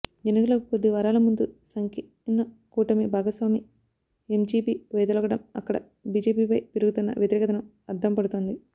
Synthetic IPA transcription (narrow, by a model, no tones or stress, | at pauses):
d͡ʒenɐkɐlɐkukod̪ːiʋɐɾaːlɐmund̪usɐŋki | nɐ | kuːʈɐmibʱaːɡɐsʋaːmi | emd͡ʒiːpiːʋɛːd̪ɐlɔːɡɐɽɐmɐ̰kːɐɽɐ̰ | biːd͡ʒeːpiːpɐjpiɾuɡut̪unːɐ̰ʋjɐt̪iɾɛːkɐt̪ɐnɐm | ɐɾt̪ʰɐmpɐɽut̪oːnd̪i